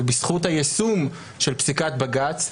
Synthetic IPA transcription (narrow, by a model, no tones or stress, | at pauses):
bisχuthajesum | ʃelpsikat̪baɡat͡s